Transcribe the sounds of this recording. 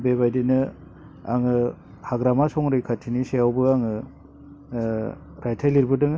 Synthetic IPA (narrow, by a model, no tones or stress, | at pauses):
bebajdinɯ | a̰ŋɯ | haɡɾamasɔŋɾɯjkʰatʰiniseawbɯaŋɯ | ɾajtʰajliɾbɯdɯŋ